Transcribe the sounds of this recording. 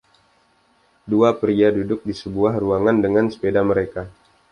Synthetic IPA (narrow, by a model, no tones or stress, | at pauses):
duapɾiadudʊk̚disəbuahruaŋandəŋansə̥pedaməɾeka